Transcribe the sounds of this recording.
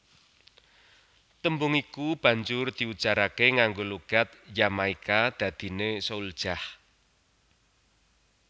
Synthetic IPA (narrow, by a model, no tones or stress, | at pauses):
t̪əmbʊŋikub̥ä̤ɲd͡ʒʊrd̪̥i̤ut͡ʃaɾakeŋaŋɡoloɡ̥a̤t̪̚jamaikad̪̥ä̤d̪̥i̤nesoul̥ʒ̥ah